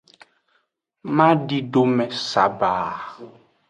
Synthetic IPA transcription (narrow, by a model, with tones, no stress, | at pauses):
mã˦ɖi˦ɖo˦mɛ̃˨sa˨baː˨